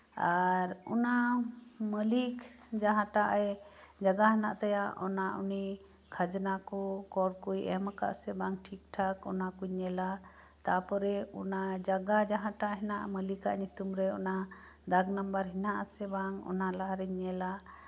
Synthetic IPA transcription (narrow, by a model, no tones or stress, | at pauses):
aɾuna | məlik | d͡ʒaɦãʈaʔɛd͡ʒaɡaɦɛnaʔt̪ajaʔɔnaṵni | kʰad͡ʒnakɔkɔɽkujɛmaka̰ʔsɛbaŋʈʰik̚ʈʰakɔnakuɲɛla | t̪apɔɾɛṵnad͡ʒaɡad͡ʒaɦãʈaʔɦɛnaʔməlikaʔɲut̪umɾɛɔna | d̪aɡnambəɾɦinaʔasɛbaŋɔ̰nalaɦaɾɛɲɛla